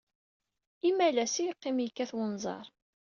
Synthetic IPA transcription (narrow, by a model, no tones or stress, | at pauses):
imːælæsijəqːɪmjəkːæθwənzˤɑ̰ɾˤ